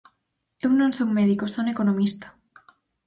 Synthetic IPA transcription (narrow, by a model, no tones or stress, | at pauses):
ewnõnsoŋmeðikosonekonomist̪ḁ